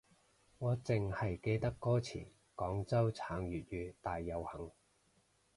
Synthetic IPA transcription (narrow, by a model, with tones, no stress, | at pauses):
ŋɔː˨˧t͡sɪ˨ŋhɐ˨jke˧jt̪ɐ˥kːɔː˥t͡sʰḭː˨˩ | kɔː˨˥ŋt͡sɐ˥wt͡sʰaː˨˥ŋjyː˨˩t̚jyː˨˧t̪aː˨jːɐ˨˧whɐ˨˥ŋ